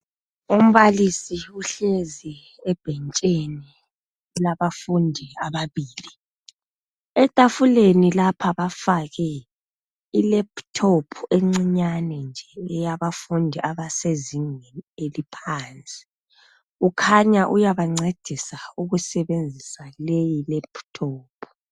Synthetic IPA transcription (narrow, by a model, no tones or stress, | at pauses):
um̩βalisiuɬezi | ɛb̥ʱɛnt͡ʃʼeni | laβafundʱiaβaβiːli | ɛtʼafulenilapʰaβafaɣɛ | ilɛptʰopʰueŋ͡ǀiɲanɛnd͡ʒʱɛɛjaβafundʱiʔaβaseziŋɛelipʰaːnt͡sʼi̥ | ukʰaɲaʔujaβaŋ͡ǀed̥ʱisauɣusɛβend͡zʱisalejilɛpʰtʰoːpʰu̥